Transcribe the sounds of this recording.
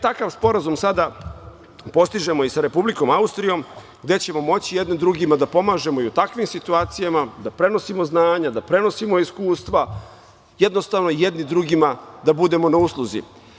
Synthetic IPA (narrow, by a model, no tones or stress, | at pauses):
t̪akaʋspo̞ɾazumsad̪a | po̞st̪iʒe̞moisaɾe̞publiko̞maust̪ɾijo̞m | ɡd̪e̞t͡ɕe̞mo̞mo̞t͡ɕijed̪ned̪ɾuɡimad̪apo̞maːʒe̞mo̞iut̪akʋimsit̪uaːt̪sijamad̪apɾe̞no̞simo̞znaːɲad̪apɾe̞no̞simo̞iskuːst̪ʋa | jed̪nost̪aʋnoijed̪nid̪ɾuɡimad̪abud̪e̞mo̞nauslˠuzḭ